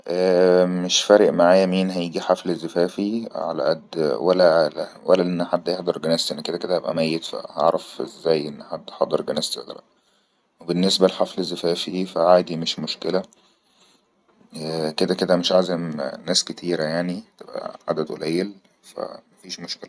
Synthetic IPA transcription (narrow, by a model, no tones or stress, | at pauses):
ʔæːmeʃfæːɾeʔmaʕaːjæmiːnɦæjeɡiħaflezːefæːfiʕa̰læ̰ʔæd̪wælːæwæ̰lːæʔenːħad̪ːjehd̪ˤɑɾˤɡænæst̪ʔenːæked̪æked̪æhæbʔæ̰mæjːet̪fæ̰hɑ̰ʕɾˤɑfʔḛzːæːjʔenːħad̪ːħɑd̪ˤɑɾˤɡænæːst̪ḛd̪̰ɾˤɑ̰ | webenːesbælħaflezːefæːfifæʕaːd̪imeʃmoʃkelæ | æked̪æked̪æmeʃʕazemnæːsket̪ʰiːɾæjaʕnit̪ebʔæ̰ʕa̰d̪æd̪ʔo̰læjːel | fæ̰mæfiːʃmoʃkelæ